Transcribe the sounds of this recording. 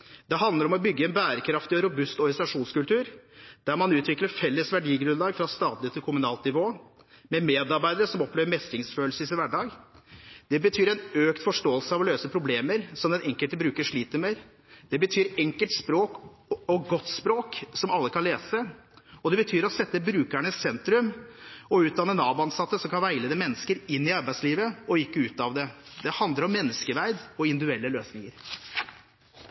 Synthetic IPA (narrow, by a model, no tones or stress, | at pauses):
d̪ɛɦɑnd̪əɾɔmɔbʏɡːəɛnbæːɾəkʰɾɑft̪ɪɔɾʊbʉst̪ɔɾɪɛnt̪ɑʂuːnskʉlt̪ʰʉːɾd̪̥æɾmɑnʉːt̪ʰʋɪkləɾfɛlːəsʋæɖiːɡɾʉnlɑːɡfɾɑst̪ɑːt̪lɪət̪ʰɪlkʰʊmʉnɑːlnɪʋoː | mɛmeːd̪ɑɾbæɪd̪əɾəsɔmɔpʰleːʋəɾmɛst̪ɪŋsføːlsəsɪʋæɖɑːɡ | d̪̥ɛbət̪ʰyːɾɛɪnøːkt̪fɔʂʈoːəlsəɑʋɔløːsəpʰɾʊbleːməɾsɔmd̪ɛnɛŋkəlt̪əbɾʉːkəʂɭiːt̪əmeːɾ | d̪̥ɛbət̪ʰyːɾɛŋkəlt̪spɾoːk | ɔɡɔt̪ːspɾoːksɔmɑlːəkʰɑnleːsə | ɔd̪ɛbət̪ʰyːɾɔsɛt̪ːəbɾʉːkæɳəssɛnt̪ɾʉmɔʉːt̪̚d̪ɑnːənɑːbʊɑnsɑt̪ːəsɔmkʰɑnʋæɪləd̪ɛmɛnːəskəɾɪnːɪɑɾbæɪsliːʋəɔɪkːəʉːt̪ɑʋd̪ɛd̪ɛhɑnd̪ləɾɔmːɛnːəskəʋæɪd̪ɔɪnd̪ʉɛlːəløːsnɪŋəɾ